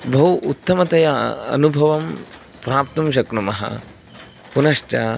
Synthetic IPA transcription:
bʱɐwut̪ːɐmɐt̪ɐjɐɐ̰nubʱɐʋɐm | pɾaːp̚t̪ɐmʃ̬ɐknɐmɐɦɐ̰ | punɐʂʈɐ

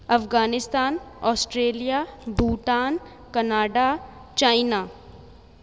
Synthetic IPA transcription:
ɐfɡaːnɪst̪aːnɔːsʈɾeːlijaːbuːʈaːn | kɐnaːɖa | t͡ʃaːɪna

